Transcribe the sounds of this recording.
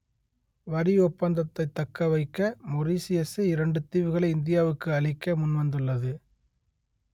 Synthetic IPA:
ʋɐɾiɔpːɐnd̪ɐt̪ːɐɪt̪ːɐkːɐʋɐɪkːɐmɔɾiːsɪjɛsɐɪɾɐɳɖɯt̪iːʋɯɣɐɭɐɪɪnd̪ɪjaːʋɯkːɯɐɭɪkːɐmʊnʋɐnd̪ɯɭːɐðɯ

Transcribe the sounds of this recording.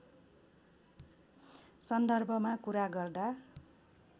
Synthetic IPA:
sʌnd̪ʌrbʱʌmakuɾaɡʌrd̪a

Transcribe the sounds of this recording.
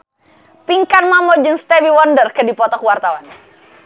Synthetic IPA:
piŋkanmamɔd͡ʒɨŋst̪ɛviwɔndərkədipɔt̪ɔkwart̪awan

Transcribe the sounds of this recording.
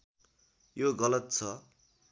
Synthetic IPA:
joɡʌlʌt̪t͡sʰʌ

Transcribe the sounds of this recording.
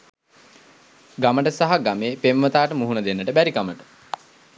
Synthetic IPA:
ɡaməʈəsaɦaɡameːpemʋət̪aːʈəmuɦunəd̪enːəʈəbæɾikaməʈə̥

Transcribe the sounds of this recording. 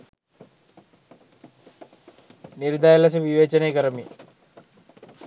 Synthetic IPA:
niɾd̪ajɐlɐs̬ɐʋiʋeːt͡ʃɐneːkəɾəmi

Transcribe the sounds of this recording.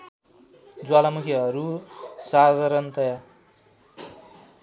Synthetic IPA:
d͡zwalamukʰiɦʌɾusad̪ʌɾʌnt̪ʌja

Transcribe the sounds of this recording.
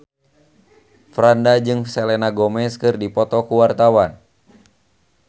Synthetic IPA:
fɾandad͡ʒɨŋsɛlɛnaɡɔmɛskɨrdipɔt̪ɔkuwart̪awan

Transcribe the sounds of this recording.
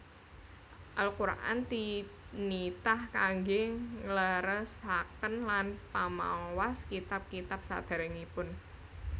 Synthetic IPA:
ʔalkuɾa̰ʔa̰nt̪init̪ahkaŋɡeŋləɾəsakənlanpama̰waskit̪ap̚kit̪ap̚sa̰d̪̥a̤ɾəŋipʊn

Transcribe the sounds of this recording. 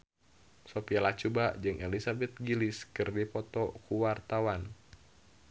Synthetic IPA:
sopialat͡ʃubad͡ʒɨŋɛlisabɛt̪̚ɡiliskɨrdipɔt̪ɔkuwart̪awan

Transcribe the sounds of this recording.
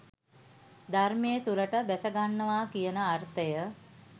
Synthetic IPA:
d̪armejət̪uləʈəbæsəɡanːəʋaːkijənəart̪əjə

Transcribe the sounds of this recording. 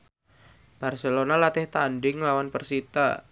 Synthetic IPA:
b̥arselonalat̪ɪht̪andɪŋlawanpərsit̪a̰

